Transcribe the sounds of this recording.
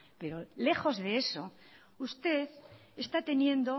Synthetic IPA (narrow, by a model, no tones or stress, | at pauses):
pe̞ɾo̞le̞xo̞zðe̞e̞so̞ | ust̪e̞ð | est̪at̪e̞njẽ̞nd̪o